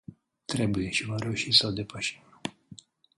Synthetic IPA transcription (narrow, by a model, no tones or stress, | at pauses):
t̪ɾe̞buje̞ʃivaɾe̞uʃisəod̪e̞pəʃi̥